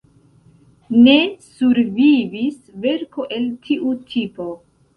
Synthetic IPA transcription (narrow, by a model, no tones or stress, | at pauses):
ne̞suɾvivisve̞ɾko̞ʔe̞ltʰiʔutʰipo̞